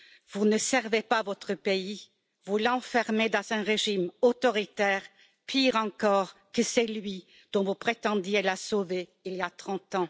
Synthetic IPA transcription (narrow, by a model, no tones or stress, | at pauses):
vunəsɛʁvepavɔt̪χəpei | vulɑ̃fɛʁmed̪ɑ̃zɛ̃ʁeʒimot̪ɔʁit̪ɛːʁ | pʰiʁɑ̃kɔːʁkəsɛlɥi | d̪̥ɔ̃vupχet̪ɑ̃d̪jelasoveiliat̪χɑ̃t̪ɑ̃